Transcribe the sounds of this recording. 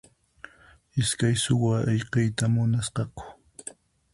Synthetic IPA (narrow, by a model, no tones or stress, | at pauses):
ɪskajsʊwaeʎqejt̪amʊnasqɑkʊ̥